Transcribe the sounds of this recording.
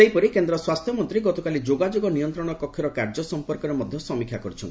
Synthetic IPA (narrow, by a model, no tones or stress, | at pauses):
ejpɔɾikend̪ɾɔswast̪ʰjɔmɔnt̪ɾiɡɔt̪ɔkalid͡ʒoɡad͡ʒoɡɔnijɔnt̪ɾɔɽ̃ɔkɔkʰːjɔɾɔkaɾd͡ʒɔsɔmpɔɾkɔɾemɔd̪ʱjɔsɔmikʰjakɔɾut͡ʃʰɔnt̪i